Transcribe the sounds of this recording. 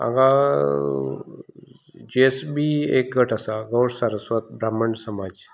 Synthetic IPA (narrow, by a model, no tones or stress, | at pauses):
a̰ŋɡa | d͡ʒiesbiḛk̚ɡʱəʈasaɡəwɾsaɾəswət̪̚bɾaːməɳsɐmaːd͡ʒ